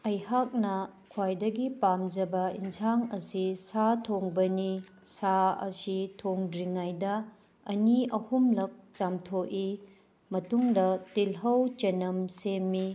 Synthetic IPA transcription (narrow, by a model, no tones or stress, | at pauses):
ɐjhak̚nɐkʰwajdɐɡipamd͡ʒɐbɐinsʰaŋɐsisatʰoŋbɐnisaɐ̰sitʰoŋdɾiŋajdɐ | ɐniɐhumlɐk̚t͡ʃamtʰoʔi | mɐtuŋdɐtilɦɐwt͡ʃɐnɐmsemːi